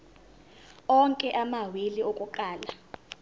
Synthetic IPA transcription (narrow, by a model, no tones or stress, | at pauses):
ɔŋkʼɛʔamawiliokʼuǃaːla